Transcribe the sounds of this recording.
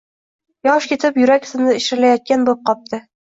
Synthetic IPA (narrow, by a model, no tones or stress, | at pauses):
jɒʃkʲet̪ʰɪpjɵɾakʲsɪnɪɪʃɾɪlajɒt̪̚kʲanbolˠɪp̚qʰɒp̚t̪ʰɪ